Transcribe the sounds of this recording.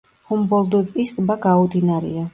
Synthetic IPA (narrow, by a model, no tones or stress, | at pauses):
humbɔlˠd̪ɔistʼbaɡaɔd̪inaɾḭa